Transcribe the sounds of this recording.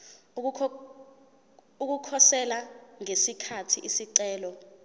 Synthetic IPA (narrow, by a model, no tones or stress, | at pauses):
uk̬ukʰɔsɛlaŋesikʰatʰiʔisiǀɛːlɔ